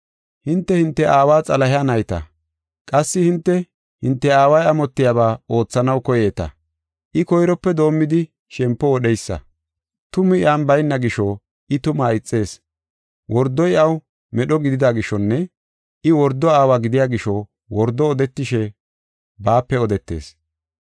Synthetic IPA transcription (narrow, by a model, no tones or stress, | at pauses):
hɪnt̪ːɛhɪnt̪ːɛʔaːwaːt͡sʼɐlɐhɪjanɐjt̪ɐ̰ | kʼɐsːɪhɪnt̪ːɛ | hɪnt̪ːɛaːwɐjɐmɔt̪ːɪjaːβaːo̞ːt͡sːɐnɐwkɔjeːt̪ɐ̰ | ʔɪkɔjɾɔpːɛd̪o̞ːmːɪd̪ɪ | ʃɛmpːɔwɔɗɛjsːɐ̰ | t̪ʊmɪɪaːnbɐjnːɐɡɪʃɔ | ʔɪt̪ʊmaɪt͡sʼːe̞ːs | wɔɾd̪ːɔjɐw | mɛɗɔɡɪd̪ɪd̪aɡɪʃːɔnːɛ | ʔɪwɔɾd̪ːɔaːwaːɡɪd̪ɪjaːɡɪʃɔ | wɔɾd̪ːɔːd̪ɛt̪ːɪʃɛ | baːpːɛɔd̪ɛt̪ːe̞̰ːs